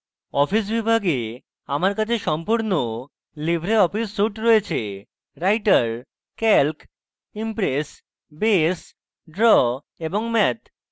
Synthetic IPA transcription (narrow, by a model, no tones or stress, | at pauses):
ɔpis̬bibʱaɡe | amaɾkat͡ɕʰeʃɔmpuɾno | libʱɾeɔpisːuʈɾɔet͡ɕʰe | ɾajʈaɾ | kɛlk | impɾes | bes | ɖɾɔ | eboŋmɛt̪